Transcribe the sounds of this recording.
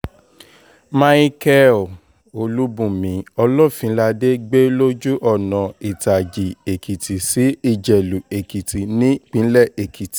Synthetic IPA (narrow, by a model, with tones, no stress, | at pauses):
mã˧˦i˦kɛ˦˨ | o˧lu˦bũ˦˨mĩ˨˦ɔ˧lɔ˦˨fĩ˨˦la˧de˦ɡ͡be˦lo˦d͡ʒu˦ʔɔ˦˨nɔ̃˨i˨ta˨d͡ʒi˨e˨ki˨ti˨si˨˦i˦˨d͡ʒɛ˨lu˨e˨ki˨ti˨nĩ˦k͡pĩ˨˦lɛ˦˨ʔe˨kʰi˨ti̥˨